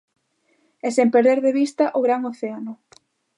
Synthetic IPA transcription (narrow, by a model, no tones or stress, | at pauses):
ɛsempeɾðeɾðeβist̪ɐʔoɣɾaŋoθeanʊ